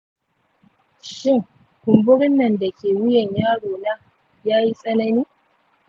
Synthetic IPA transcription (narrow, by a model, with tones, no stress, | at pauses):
ʃɪ˦ŋ | kʷʊ˨mbʊ˦ɽɪ˦nːɐ˨nda˨kʲeː˨wʊ˦jɛ˨ɲjaː˦ɽoː˨na˦ | jaː˦ji˦sʼɐ˦nɐ˦niː˦